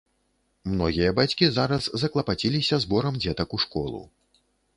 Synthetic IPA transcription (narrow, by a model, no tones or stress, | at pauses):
mnɔɣʲijɐbat͡sʲkʲizaɾɐszɐklˠɐpat͡sʲilʲisʲɐzbɔɾɐmd͡zʲɛt̪ɐkuʂkɔlˠṵ